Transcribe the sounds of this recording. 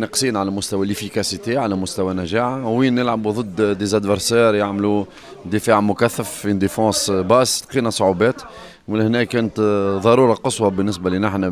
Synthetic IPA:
nɑqsˤiːnʕalæmʊst̪æwælʔɪfikæsit̪eʕalæmʊst̪æwænæʒaːʕawiːnːəlʕabuðˤɨd̪ːd̪ezæd̪vəɾsɛːɾjaʕmlu | d̪əfaːʕmʊkæθːəffind̪efɑ̃ːsbɑʔst̪qiːnæsˤʊʕubɛːt̪ | mɪnhnɛːkɛːnət̪ðˤɑɾˤuːɾˤɑqəsˤwɑbənːɪsbælinɪħnæ

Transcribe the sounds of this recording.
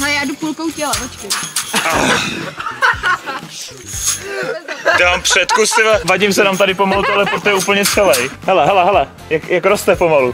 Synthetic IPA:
ɦɛlɛjaːdupulkowcɛlɛpot͡ʃkua | ɛampr̥ɛt̪kust̪ɪvavaɟɪmsɛnamt̪adɪpo̞malut̪oalɛpɾot̪ojɛuːpl̩ɲɛt͡sɛlɛjɦɛlɛɦɛlɛɦɛlɛ | jakjakɾost̪ɛpo̞malu

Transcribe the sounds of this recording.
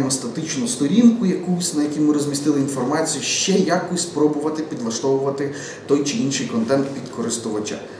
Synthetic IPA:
ɪmɔst̪ɐt̪ɪt͡ʃnʊst̪ɔɾʲinkʊjɐkusʲnɐjɐkʲimɪɾɔzʲmʲist̪ɪlˠɪinfɔrmɑt͡sʲijʊʃt͡ʃɛjakʊsʲpɾɔbʊʋɐt̪ɪpʲid̪lˠɐʃt̪ɔʋʊʋɐt̪ɪ | t̪ɔjt͡ʃɪinʃɪjkɔnt̪ɛnt̪pʲid̪kʰɔɾɪst̪ʊʋɐt͡ʃa̰

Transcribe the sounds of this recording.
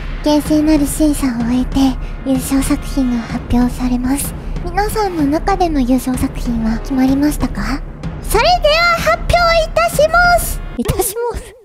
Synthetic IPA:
ɡ̥ẽ̞ɰ̃seːnaɾɯ̟ɕĩːsãɰ̃oet̪e̞ | jɯːɕo̞ːsakɯ̟̥çĩŋɡahapʲjo̞ːsaɾe̞masɨ̥mʲinasãnːo̞nakad̪e̞mo̞jɯ̟ːɕo̞ːsakɯ̟̥çĩɰ̃βakʲimaɾʲimaɕi̥t̪aka | saɾed̪eβahapʲːjo̞ːit̪aɕimasɨ̥it̪aɕimasɨ̥

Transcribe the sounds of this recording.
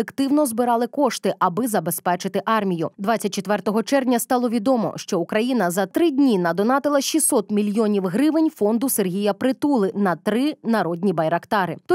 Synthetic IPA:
ekt̪ɪwnɔzbɪɾɑlˠɪkɔʃt̪ɪʔɐbɪzɐbe̞spɛt͡ʃɪt̪ɪʔɑrmʲijʊd̪ʋɑt͡sʲːɐt̚ʲt͡ʃːet̪ʋɛrt̪ɔɦɔt͡ʃɛrnʲɐst̪ɑlˠɔʋʲid̪ɔmɔ̰ʃt͡ʃɔukɾɐjinɐzɐt̪ɾɪdʲnʲinɐd̪ɔnɑt̪ɪlˠɐʃisɔt̪mʲilʲjɔnʲiwɦɾɪʋɪnʲfɔnd̪ʊserɦʲijɐpɾɪt̪ulˠɪnɐt̪ɾɪnɐɾɔdʲnʲibɐjɾɐkt̪ɑɾɪt̪

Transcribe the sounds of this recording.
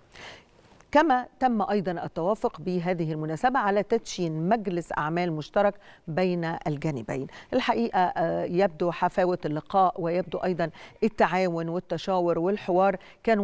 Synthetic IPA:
kæmæt̪æmːʔɑjd̪ˤɑnʔat̪ːawɑːfʊqbɪɦæːðɪhɪlmʊnæːsabæʕalæt̪æt̪ʃiːnmæɡlɪsʔa̰ʕmæːlmʊʃt̪ɑɾˤɑkbejnæʔælɡænɪbæ̰jnʔɪlħaʔiːʔæjæb̚d̪uħafæːwɪlːɪqɑːʔwɪjab̚d̪uʔɑjd̪ˤɑnʔɪt̪ːaʕaːwʊnwɪt̪ːæʃæːwʊɾwɪlħɪwɑːɾˤ | kæːn

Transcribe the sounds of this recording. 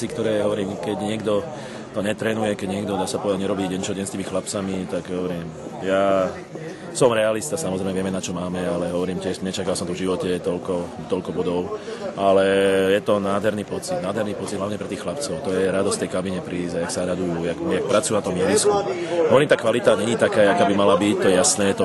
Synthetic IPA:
ikt̪ɔɾɛːɦɔʋɔɾiːmkɛɟɲɪɛɡd̪ɔ | t̪ɔɲɛt̪ɾɛːnujɛkɛɟɲɪɛɡd̪ɔd̪aːsatpɔʋɛd̪aɟɲɛɾɔbiːɟɛɲt͡ʃɔɟɛnst̪iːmixlapt͡samit̪aɡɦɔʋɔɾiːmjaː | sɔmɾɛalist̪asamɔzɾɛɪmɛʋɪɛmɛnat͡ʃɔmaːmɛalɛɦɔʋɔɾiːmcɪɛʃɲɛt͡ʃakalsɔmt̪ɔvʒiʋɔcɛt̪ɔlkɔ | t̪ɔʎkɔbɔd̪ɔʊʔalɛjɛt̪ɔnaːd̪ɦɛɾniːpɔt͡sid̪naːd̪ɦɛɾniːpɔt͡sid̪ɦlaʊɲɛpɾɛt̪iːxlap̚t͡sɔʊt̪ɔjɛɾad̪ɔstft̪ɛjkabiɲɛpɾiːzajaksaɾad̪ujujakjak̚pɾat͡sujunat̪ɔmjɛʋiskuɦɔʋɔɾiːmt̪aːkʋalit̪aɲɛɲit̪akaːakaːbimalabic̚t̪ɔjɛjasnɛːjɛt̪ɔ

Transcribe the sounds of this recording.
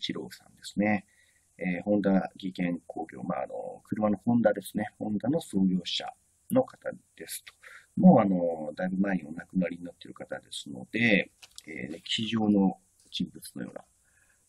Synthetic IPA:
t͡ɕiɾo̞̰ːsã̰nd̪e̞sɨ̥ne̞ | ehõ̞nd̪aɡʲikẽ̞ŋkʰo̞ːɡʲo̞̰ːma̰ːno̞̰kɯ̟ɾɯ̟mano̞hõ̞nd̪ad̪e̞sɨ̥ne̞hõ̞nd̪ano̞so̞ːɡʲo̞ːɕa̰ | no̞kḁt̪ad̪̥e̞sɨ̥t̪o̥mo̞ːano̞d̪aibɯ̟maeɲ̟imonakɯ̟naɾʲiɲ̟inat̪ːeɾɯ̟kat̪ad̪e̞sɨ̥no̞̰d̪̥e̞ḛkʲʰiʑo̞ːno̞ | t͡ɕĩmbɯ̟t͡sɨ̥nojo̰ːna̰

